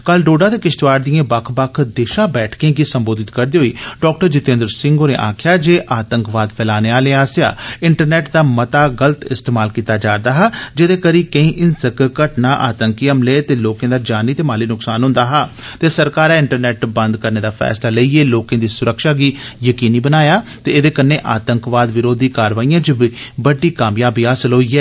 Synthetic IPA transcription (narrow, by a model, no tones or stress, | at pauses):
kəlɖoːɖaːd̪eːkɪʃʈʋaːɾd̪ijãːbəkʰbəkʰd̪eːʃaːbɛːʈʰkẽːɡiːsəmboːd̪ɪt̪kəɾd̪eːɦoiːɖɔːk̚ʈəɾd͡ʒɪt̪ẽːnd̪ɾsɪ̃ŋɡoːɾḛːʔa̰ːkʰɪjaːd͡ʒeːʔaːt̪əŋkʋaːd̪pʰɛːlaːneːaːleːaːsja̰ːɪɳʈəɾnɛːʈd̪aːmət̪aːɡələt̪ɪst̪eːmaːlkiːt̪aːd͡ʒaːɾd̪aːɦaːd͡ʒeːd̪eːkəɾiːkəĩːʔɪnsəkkəʈnaːʔaːt̪əŋkiəmleːt̪eːloːkẽːd̪aːd͡ʒaːniːt̪eːmaːliːnʊksaːnɦʊ̃nd̪aːɦaːt̪eːsəɾkaːɾɛ̃ːɪɳʈəɾnɛːʈbə̃nd̪kəɾneːd̪aːpʰɛ̰ːslaːləiːeːloːkẽːd̪iːsʊɾəkʃaːɡiːjəkiːniːbənaːjaːt̪eːed̪eːkənːeːʔaːt̪əŋkʋaːd̪ʋɪɾoːd̪ʱiːkaːɾʋaːijãːt͡ʃbibəɖiːkaːmjaːbiːaːsɪlɦoːiːɛː